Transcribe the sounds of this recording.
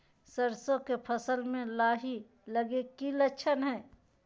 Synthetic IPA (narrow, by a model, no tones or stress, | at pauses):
sɐɾsõkepʰɐsəlmẽlaːɦi | lɐɡekilɐʃʰənɦɛː